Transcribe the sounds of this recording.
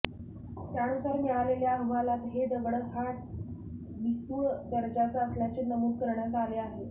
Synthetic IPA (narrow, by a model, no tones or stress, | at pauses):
t̪jaɽ̃usaɾmɛɭaleljaɦəʋalat̪ɦeɖ̪əʋɽəɦaʈ̚ | ʋisəd̪əɾd͡ʑat͡saəsljat͡ɕenəmuːd̪̚kəɾɳjat̪aleaɦe